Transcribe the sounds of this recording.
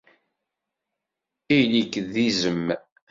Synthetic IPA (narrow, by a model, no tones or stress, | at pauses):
ijlikːðizəmː